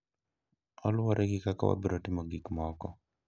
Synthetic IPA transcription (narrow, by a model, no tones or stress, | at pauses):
ɔlwɔɾʔɛɡɪkaka̰wa̰beɾɔtɪmɔɡikmɔkɔ